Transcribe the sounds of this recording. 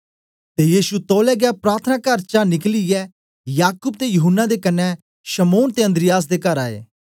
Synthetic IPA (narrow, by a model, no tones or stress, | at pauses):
t̪ejiːsut̪ɔːlɛːɡɛapɾaːɾt̪ʰənaːkɐɾt͡ʃanɪkliɛ | jaːkuːb̚t̪ejʊɦʊnːad̪ekɐnɛ | ʃəmoːnt̪eːənd̪ɾɪjaːs̬d̪ekɐɾaːḛː